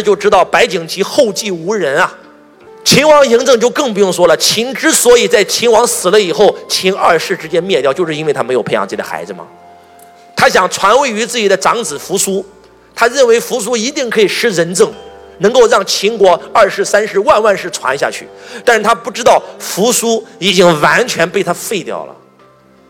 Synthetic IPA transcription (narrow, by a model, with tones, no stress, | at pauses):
t͡ɕjo˥˩ʊʈ͡ʂɻ̩˥t̪ɑ˥˩ʊpa˧˥ɪt͡ɕi˨˩ŋt͡ɕʰi˧˥xo˥˧ʊt͡ɕi˥˩u˧˥ɻə˧˥nɐ˧ | t͡ɕʰi˧˥nwɑ˧˥ŋji˧˥ŋt͡sɤ˥˧ŋt͡ɕjo˥˧ʊkɤ˥˧ŋp̬u˧˥jʊ˥˩ŋswɔ˥lə˨t͡ɕʰi˧˥ŋʈ͡ʂɻ̩˥swɔ˧˥i˨˩t͡sa˥˩ɪt͡ɕʰi˧˥nwɑ˧˥ŋsɹ̩˨˩lə˦i˨˩xo˥˩ʊt͡ɕʰi˧˥ŋɐ˞˥˧ʂɻ̩˥˩ʈ͡ʂɻ̩˧˥t͡ɕjɛ˥nmjɛ˥˧t̪jt͡ɕo˥˧ʊʂɻ̩˥˧i˥we˥˩ɪt̪ʰa˥m˧˥jo˨˩pʰɪɑ̰˩ŋt͡s̩ː˥˩t͡ɕi˩ə̰˩xa̰˧˥ɪd͡zɹ̩˧˩mɐ̰˩ | t̪ʰa˥ɕjɑ˨˩ŋt͡sʰwa˧˥nwe˥˩ɪy˧˥t͡sɹ̩˥˩t͡ɕi˨˩d̪ə˦ʈ͡ʂɑ˧˥ŋt͡sɹ̩˨˩fu˧˥su˥ | t̪ʰa˥ɻə˥˩nwe˧˥ɪfu˧˥s̬u˥i˧˥t̪i˥˩ŋkʰɤ˧˥i˨˩ʂɻ̩˥ɻə˧˥nt͡sɤ˥˩ŋnɤ˧˥ŋko˥˧ʊɻɑ˥˩ŋt͡ɕʰi˧˥ŋkwɔ˧˥ɐ˞˥˩ʂɻ̩˧˥sa˥nʂɻ̩˧˥wa˥˧nwa˥˧nʂɻ̩˥˩t͡sʰwa̰˧˥nɕja̰˥˧t͡ɕʰy̰˥˩t̪a˥˧nʂɻ̩˥˩t̪ʰa˥pu˥˩ʈ͡ʂɻ̩˥t̪ɑ˥˩ʊfu˧˥su˥i˨˩t͡ɕi˥ŋwa˧˥nt͡ɕʰɥɛ˧˥npe˥˩ɪt̪ʰa˥fe˥˧ɪt̪jɑ̰˥˩ʊlə̰˩